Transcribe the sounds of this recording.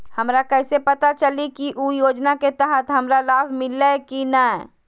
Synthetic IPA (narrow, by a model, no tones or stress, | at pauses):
həmɾakɛːsepət̪at͡ʃəlikiʔujoːd͡ʒnaket̪əɦət̪ɦəmɾalaːbʱmɪlekinaɛ